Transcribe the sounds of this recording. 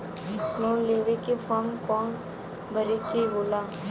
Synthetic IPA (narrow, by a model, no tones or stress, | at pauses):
nõːleːʋekifʰɔːɾmkɔːn | bʱəɾikiboːlaː